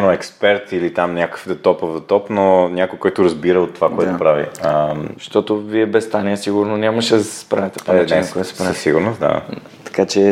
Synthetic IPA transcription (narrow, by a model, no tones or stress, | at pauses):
noɛkspɛɾt̪ilit̪amnʲakə̥fd̪ɐt̪ɔpovd̪ɐt̪ɔpnonʲakojkɔjt̪ʊɾɐzbiɾəot̪ːovakoɛt̪ʊpɾavḭəʃt̪ɔt̪oviɛbɛst̪aniɛsiɡʊɾnonʲamɐʃɛspɾavɛt̪ɛpoɛɛkoɛt̪spɾaəsiɡʊɾnosd̪a̰ | t̪ɐ̥kat͡ʃɛ